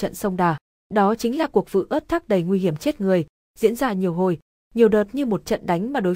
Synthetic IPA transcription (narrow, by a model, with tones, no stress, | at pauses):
t͡ɕə̰˧˨nsə˧wŋ͡mɗaː˨˩ | ɗɔ˨˦t͡ɕï˨˦ŋ̟laː˨˩ku˨˩ək̚vɨ̰˧˨ʔəː˦˥t̚t̪ʰa˦˥k̚ɗə˨˩jŋwi˧hi˧˩əmt͡ɕe˦˥t̚ŋɨ˨˩əj | zḭ˧˥ənzaː˧ɲi˨˩əwɦo˨˩j | ɲi˨˩əwɗəː˨˩t̚ɲɨ˧mo˨˩t̚t͡ɕə̰˧˨nɗa˨˦jŋ̟maː˨˩ɗo˨˦j